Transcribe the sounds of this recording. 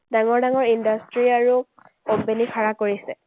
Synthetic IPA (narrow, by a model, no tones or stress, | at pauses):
daŋɔɹdaŋɔɹindastɹiaɹu | obenikʰaɹakoɹisɛ